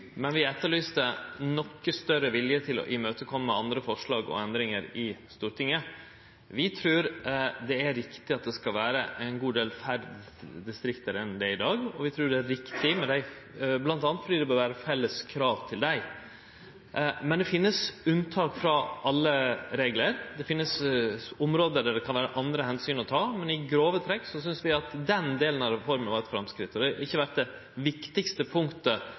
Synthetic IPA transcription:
mɛnʋɪɛt̪ːəɭyːst̪ənɔkːəst̪œɾːəʋɪljət̪ʰɪlɔ̰ʔɪmøːt̪əkʰɔmːəɑnd̪ɾəfɔʂɭɑːɡɔ̰ɛnd̪ɾɪŋəɾɪst̪uːɾʈ̪ʰɪŋːə | ʋɪt̪ʰɾʉːɾd̪ɛæɾːɪkt̪ɪɑt̪̚d̪ɛskɑlʋæːɾəʔæɪnɡuːd̪eːlfæɖd̪ | d̪ɪst̪ɾɪkt̪əɾɛnd̪ɛɪɪd̪ɑːɡɔʋɪt̪ʰɾʉːɖɛæɾɪkt̪ʰɪmɛd̪æɪ | blɑnt̪ɑːnət̪fɔɖ̪iːd̪ɛbøːɾʋæːɾəfɛlːəskʰɾɑːʋt̪ʰɪld̪æɪ | mɛnd̪ɛfɪnːəsʉnt̪ʰɑːkfɾɑʔɑlːəɾeːɡləɾd̪ɛfɪnːəsɔmɾoːd̪əd̪æɖ̪ɛkʰɑnʋæːɾəʔɑnd̪ɾəhɛnsyːnɔt̪ʰɑːmɛnɪɡɾoːʋət̪ʰɾɛkːsɔsʏnsʋɪɑt̪d̪ɛnd̪eːlənɑɾɛfɔɾmənʋɑːɾɛt̪fɾɑmskɾɪt̪ːɔd̪ɛɪçːəʋæʈ̪̚d̪ɛ | ʋɪkt̪ɪɡst̪əpʰʊŋt̪ə

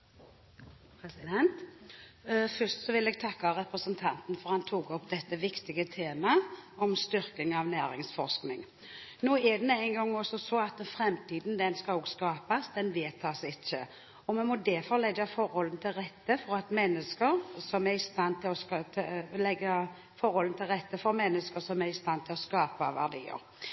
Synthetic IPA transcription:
pʰɾɛsɪd̪ɛnt̪ | fœst̪sɔʋɪlɛːɡ̚t̪ʰɑkːaɾɛpɾəsənt̪ʰɑnt̪n̩fɔʁhɑnt̪ʰuːɡɔpd̪ɛt̪ːəʋɪkt̪ɪɡət̪ʰeːmɑɔmst̪ʏɾkɪŋɑʋnæːɾɪŋsfɔʁsknɪŋ | noːɛd̪ɛmɛæɪnɡɔŋːɔsɔsɔɑt̪fɾɛmt̪ʰiːd̪n̩d̪ɛnskɑloːɡskɑːpasd̪ɛnʋeːt̪ʰɑsɪt͡ʃːə̰ | ɔmɛnmɔd̪ɛfɔɾlɛɡːəfɔɾhɔlən̩t̪ʰɪlɾɛt̪ːəfɔɾɑt̪mɛnːəskəɾsɔmæɾɪst̪ɑnːt̪ʰɪlɔskt̪ʰlɛɡːə | fɔɾhɔlən̩t̪ʰɪlɾɛt̪ːəfɔɾmɛnːəskəsɔmæɾɪst̪ɑnːt̪ʰɪlɔskɑːpəʋæ̰ʁɖ̪ḭːə̰ɾ

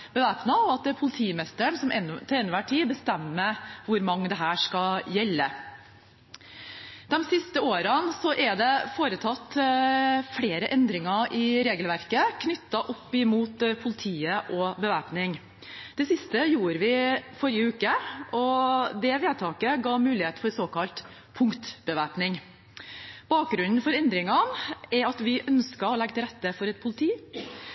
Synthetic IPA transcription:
bəʋæːpnɑɔɑt̪pʰʊlɪt̪ʰiːmɛst̪əɳsɔmɛnːt̪ʰɛɛnːʋæʈʰiːbəst̪ɛmːəʋʊɾmɑŋːəd̪ɛɦæːʂkɑjɛlːə | d̪ɛmsɪst̪əoːɾənsɔʔɛɖ̪ɛfoːɾət̪ʰɑt̪ː | fɽeːɾəʔɛnd̪ɾɪŋɑɾʔɪɾeːɡəlʋæɾkəkʰnʏt̪ːɑʔɔpːɪmuːt̪pʰʊlɪt̪ʰiːəʔɔbəʋæːpnɪŋ | d̪̥ɛsɪst̪əjuːɾʋɪfɔɾjəʉːkəɔd̪ɛʋeːd̪t̪ʰɑːkəɡɑːmʉːlɪheːt̪fɔɾsoːkɑlt̪ | pʰʊŋkt̪b̥əʋæːpnɪŋ | b̥ɑːk̚ɡɾʉnn̩fɔɾɛnd̪ɾɪŋɑnɛɾɑt̪ʋɪʔœnskəɔlɛɡət̪ɛɾɛt̪ːəfɔɾɛt̪̚pʰʊlɪt̪ʰiː

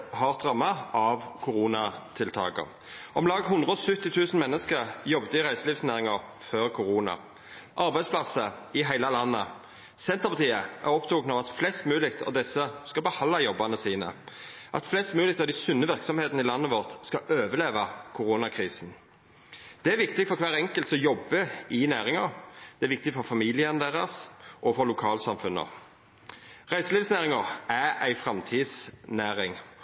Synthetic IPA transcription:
hɑʁtd̪ʁɑmːɑʔɑʋkʰʊʁuːnɑt̪ʰɪlt̪ʰɑ̰ːɡə̰ʁ | ʔɔmlɑːɡɦʊnd̪ʁəɔsʉt̪ːɪt̪ʰʉːsn̩mɛnːəskəʁjɔbt̪əɪʁæɪsəliːfsnæːʁɪŋəʁ | føːʁkʰʊʁuːnɑ̰ | ʔɑɾʁbæɪd̪spʰlɑsəɪɦæɪlɑlɑnːə | sɛnt̪əʁpɑt̪ʰiːəʔæʁɔpt̪ʰʊɡnəɑʋɑt̪flɛst̪mʉːlɪkt̪ʰɑ̰ʋd̪ɛsːəskɑbəhɑlːɑjɔbːɑnəsiːnə̰ | ʔɑ̰t̪flɛst̪mʉːlɪkt̪ɑd̪æɪsʉnːəʋɪʁksɔmheːt̪n̩ɪlɑnːəʋɔʁt̪skɑʔøːʋəleːʋɑkʰʊʁuːnɑkʰʁiːsn̩ | d̪̥ɛæʋɪkt̪ɪɡfɔʁkʰʋæːʁɛŋkəlt̪sɔjɔbːəɪnæːʁɪŋɑʁd̪̥ɛæɾʋɪkt̪ɪɡfɔʁfɑmiːlɪənd̪eːʁɑsʔɔfɔʁlʊkʰɑːlsɑmfʉnə̰ | ʁæɪsəliːfsnæːʁɪŋɑææɪfʁɑmt̪ʰiːsnæːʁɪŋ

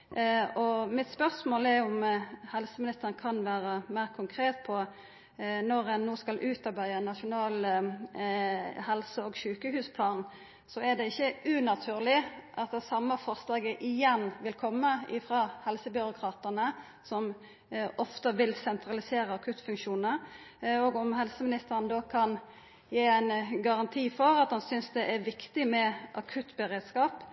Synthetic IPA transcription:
ɔmɪt̪spœʁsmoːlɛʊmhɛlsəmɪnɪst̪əʁənkʰɑnʋæːɾəmæɪʁkʰʊŋkʰɾeːt̪pʰɔ | nɔʁɛnːoːskɑlʔʉːt̪ɑɾbæɪənɑʃʊnɑːl | hɛlsəɔːɡʃʉːkəhʉːspʰlɑːn | sɔɛd̪ɛɪçːəʉnɑt̪ʰʉːʁlɪʔɑt̪d̪ɛsɑmːəfɑʁslɑːɡəʔɪjɛnːʋɪlkʰɔmːəɪfɾɑːhɛlsəbʏɾʊkʰɾɑːt̪ənə | sɔm | ɔft̪əʋɪlsɛnt̪ʰʁɑlɪseːɾəɑkʰʉt̪ːfʉŋkʃuːnəɾ | oːɡɔmɦɛlsəmɪnɪst̪əʁənd̪oːkʰɑn | jeːæɪnɡɑʁɑnt̪ʰiːfɔɾɑt̪hɑnsʏnsd̪ɛʔæɾʋɪkt̪ɪmɛʔɑkʰʉt̪ːbəɾeːd̪skɑːp

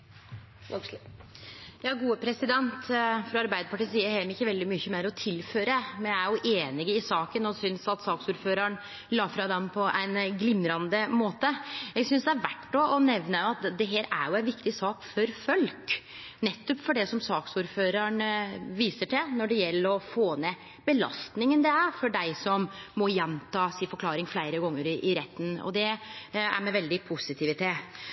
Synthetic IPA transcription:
jɑːɡuːəpʰɾɛsɪd̪ɛnt̪fɾɑɑɾbæɪd̪əpɑʈiːsiːəɾhɛmɪçːəʋɛld̪ɪmʏçəmeːɾɔt̪ʰɪlføːɾəmɛnjææɾjʊʔeːnɪɡəɪsɑːkənɔsʏnsɑt̪sɑːksuːɾføːɾɑɳ | lɑːfɾɑd̪ɛmpʰɔʔæɪnɡlɪmːɾɑnd̪əmoːt̪əjæɡsʏnsd̪ɛæɾʋæʈːɔʔɔnɛʋnəjʊɑt̪d̪ɛɦeːɾæ̰ɾjʊæɪnʋɪkt̪ɪsɑːkfɔɾfœlk | nɛt̪ːɔpfɔɖɛsɔmsɑːksuːɾføːɾɑɳʋiːsəʈʰɛnɔɖɛjɛlːəɾɔfoːnɛ | bəlɑ̰st̪nɪŋənd̪ɛæɾfɔɖæɪsɔmmɔjɛnt̪ɑːsɪfɔɾkʰlɑːɾɪŋflæɪɾəɡɔŋːəɾɪʔɪɾɛt̪ːnɔ̰d̪ɛæ̰ɾmɛʋɛld̪ɪpʰʊsɪt̪ʰɪʋɪt̪ʰeː

